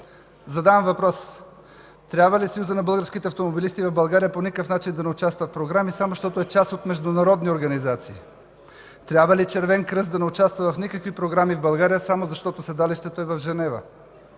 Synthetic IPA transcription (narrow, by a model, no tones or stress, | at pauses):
zɐd̪avɐmvɐpɾɔs | t̪ɾʲabvəlisjuzənɐbɤlˠɡəɾskit̪ɛɐft̪omobilist̪ivɐvbɐlˠɡaɾijəponikəfnat͡ʃind̪ɐnɛʊt͡ʃast̪vɐt̪pɾoɡɾamisamoʃt̪ɔt̪oɛt͡ʃast̪ot̪mɛʒd̪ʊnɐɾɔd̪nioɾɡɐnizat̪siː | t̪ɾʲabvɐlit͡ʃɛɾvɛnkɾɤzd̪ɐnɛʊt͡ʃast̪vɐvɐfnikəkvipɾoɡɾamivbɐlˠɡaɾijəsamozɐʃt̪ɔt̪osɛd̪aliʃt̪ɛt̪oɛvɐvʒɛnɛvə̰